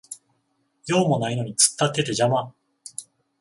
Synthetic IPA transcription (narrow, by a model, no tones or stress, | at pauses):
jo̞ːmo̞naino̞ɲ̟it͡sɨ̥t̪ːat̪ːe̞t̪e̞ʑama